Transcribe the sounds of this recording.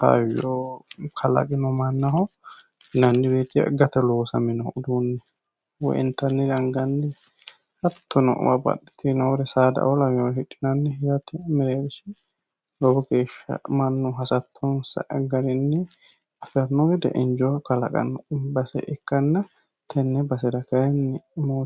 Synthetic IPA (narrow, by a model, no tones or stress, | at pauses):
t̪a̰wjokʰɐlɐ̰kʼɪnɔmɐnːɐhɔ | nɐnːɪbeːt̪ɪjɐ̰ɡɐt̪ɐloːsɐmɪnɔd̪uːnːɛ | wɔ̰ʔɪ̰nt̪ɐnːɪdɐŋɡɐnːɪ | hɐt̪ːɔnɔ̰ʔmɐbɐ̰ɗɛ̥t̪ɪnɔwɔɾɛsaːd̪ɐ̰ʔɔlɐmɪjoɪᶑɪnɐnːɛɪɾɐt̪ɛmɛɾeɾɪsɪ | lɔbɔɡeːʃːɐ̰mɐnːɔɦɐsɐt̪ʰːɔnsɐ̰ʔɛɡɐɾɪnːɪ | ɐfɾɐnːɔɡɛd̪ɛ̰ʔɪɲd͡ʒɔkɐlɐ̰kʼɐ̰nːɔbɐsɛ̰ʔɪkːɐnːɐ | t̪ʰɐnːɛbɐsɛd̪ɐkɐɛnːɪmoː